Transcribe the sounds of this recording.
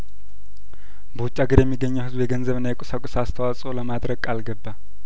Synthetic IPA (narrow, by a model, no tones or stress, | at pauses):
bəwʊt͡ʃʼːaɡɨɾjɛmːiɡːəɲːəwhɨzbjɛɡənzəβɨnːajɛkʼɔsakʷʼʊsast̪ʰəwasʼoləmad̪ɾəɡʼalɡəbːa